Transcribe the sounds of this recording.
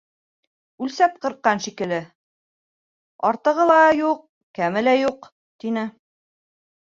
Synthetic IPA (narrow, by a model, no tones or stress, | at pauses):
ʉlsæp̚qɤ̆ɾqːɑnʃikɘ̆lɘ | ɑɾt̪ɤ̆ʁɤlˠɑjuq̚ | kæmɘ̆læjuq | t̪inɘ